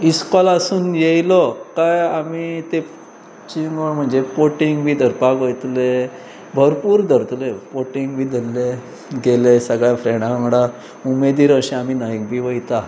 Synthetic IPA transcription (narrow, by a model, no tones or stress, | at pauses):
iskɔlasuːnjejlɔkajamit̪e | t͡ɕiŋɡoɳm̤əɳd͡zepoʈiŋɡbʱiːd̪ʱəɾpakʋəjt̪le | bʱəɾpuːɾd̪ʱəɾt̪lepoʈiŋɡbʱiːd̪elːe | ɡelesəɡɭjafɾeɽ̃ãŋɽa | umed̪iːɾəɕẽamiːnaik̚bʱiːʋəjt̪a